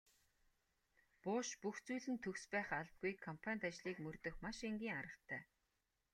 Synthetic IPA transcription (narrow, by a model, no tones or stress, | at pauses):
pʊːʃpuxt͡suːɮɘ̆nt̪ʰɵkspæːχaɮp̚ɡujkʰɔmpʰanʲt̪at͡ɕɮiːkmɵrt̪ɵ̆xmaʃeŋɡʲiːŋaɾə̆t̪ʰːæː